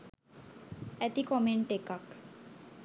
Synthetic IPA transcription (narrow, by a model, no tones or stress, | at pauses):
ɛt̪ikɔmeɳʈekak